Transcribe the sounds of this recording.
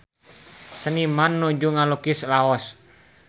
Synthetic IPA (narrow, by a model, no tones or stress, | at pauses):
sənimanːud͡ʒuŋalɔkislaɔs